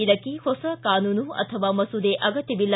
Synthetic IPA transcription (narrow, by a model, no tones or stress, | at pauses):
id̪ɐkːihɔsɐkaːnuːnuɐ̰t̪ʰɐʋaːmɐsud̪eʔɐɡɐt̪jɐbilːɐ